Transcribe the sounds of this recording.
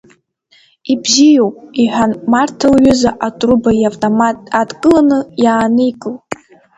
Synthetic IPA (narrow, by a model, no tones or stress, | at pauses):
ibzijo̞wpʼiħʷᶣanmartʰalɥʏzaʔatʼrubajavtʼomatʼadkʼɨlanɨjaːnɨikʼɨl